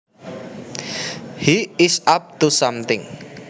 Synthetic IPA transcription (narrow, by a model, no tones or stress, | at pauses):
hiɪsap̚t̪usamt̪ɪŋ